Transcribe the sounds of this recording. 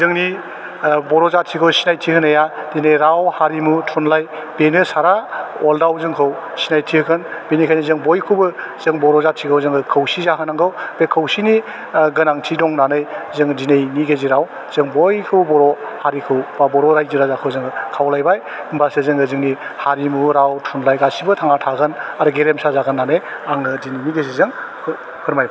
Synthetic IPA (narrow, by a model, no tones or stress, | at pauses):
zɯŋni | bɔɾɔzatʰikʰɯwsinajtʰikʰɯnajad̥inejɾawhaɾimutʰɔnlaj | benɯsaɾaɔldawzɯŋkʰɯw | sinajtʰiɯkʰɯnb̥enikʰajnizɯŋbɔjkʰubɯ | z̥ɯŋbɔɾɔzatʰiɡʰɯwzɯŋɡɯkʰəwsizaɦɯnaŋɡɯwb̥ekʰɯwsini | ɡɯnaŋtʰidɔŋnanɯjzɯŋdinejniɡeziɾaw | z̥ɯŋbɔjkʰɯbbɔɾɔhaɾikʰɯwbabɔɾɔɾajziɾawzakʰɯwzɯŋɯkʰawlajbaj | ŋbasɯzɯŋɡɯzɯŋnihaɾimuɾawtʰunlajɡasibɯtʰaŋatʰaɡɯnaɾɯɡeɾemsazaɡʰɯnːanɯjaŋɯdinijniɡezizɯŋʰ | kʰɯɾmajba